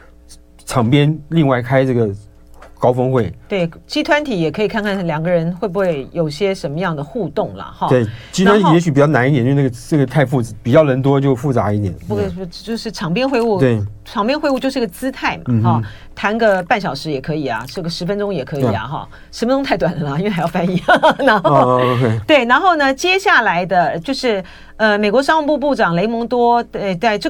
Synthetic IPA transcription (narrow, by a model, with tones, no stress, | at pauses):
ʈ͡ʂʰɑ˨˩ŋpjɛ˥nli˥˧ŋwa˥˩ɪkʰa˥ɪʈ͡ʂɤ˥˩ɡə˩ | kɑ˥ʊfɤ˥ŋxwe˥˩ɪt̪we˥˩ɪt͡ɕi˥t̪ʰwa˧˥nt̪ʰi˨˥jɛ˨˩kʰɤ˧˥i˨˩kʰa˥˧ŋkʰa˥˩n˩nljɑ˨˩ŋɡə˦ɻə˧˥nxwe˥˩bu˧˩xwe˥˩ɪjo˨˩ʊɕjɛ˥ʂə˧˥nmə˧jɑ˥˩ŋd̪ə˩xu˥˧t̪ʊ˥˩ŋlɐ̰˩xɑ˥˧twe˥˩ɪt͡ɕi˥a˦nʰ˨˩jɛ˧˥ɕ̬y˨˩pi˨˩t͡ɕjɑ˥˩ʊna˧˥ni˥˩ɛ˨˧˥n˥˩ə˩nə˥˩ɡə˩t̪ʰa˥˧ɪfu˥˩˧pi˨˩t͡ɕjɑ˥˩ʊlə˧˥nt̪wɔ˥t͡ɕjo˥˧ʊfu˥˩t͡sa˧˥i˥˩t̪jɛ̰˨˩nu˧˥˩t͡ɕjo˥˧ʂɻ̩˥˩ʈ͡ʂʰɑ˨˩ŋpjɛ˥nxwe˥˧ɪu˥˩t̪we˥˩ɪ | ʈ͡ʂʰɑ˨˥ŋpjɛ˥n˥xwɪu˥˧t͡ɕjʂɻ̩˥˩ɡə˩t͡sɹ̩˥t̪ʰa˥˩ɪmɐ̰˨˧xɑ˥˩ | t̪ʰa˧˥nɡə˧pa˥˩nɕjɑ˨˩ʊʂɻ̩˧˥jɛ˨˩kʰɤ˧˥i˨˩ɐ̰˩ʈ͡ʂə˥˩ɡə˩ʂɻ̩˧˥fə˥nʈ͡ʂʊ˥ŋjɛ˨˩kʰɤ˧˥i˩ɐ̰˩xɑ̰˥˩ | ʂə˧˥mə˧ʈ͡ʂ̪ʊ˥ŋt̪ʰa˥˩ɪt̪wa˨˩nli˥nwe˥˩xjfa˥ni˧˥ɑ˥˩ŋna˧˥xo˧kʰe˥˩t̪we˥˩ɪna˧˥nxo˥˩ʊnə˩t͡ɕjɛ˥ɕja˥˩la˧˥ɪd̪ə˧t͡ɕjo˥˧ʊʂɻ̩˥˩ | ə˧me˨˩ɪkwɔ˧˥ʂɑ˥ŋu˧˥˧pu˥˧pu˥˩ʈ͡ʂɑ˨˩ŋle˧˥ɪmʊ˧˥ŋt̪wɔ˥˧t̪a˥˧ɪʈ͡ʂ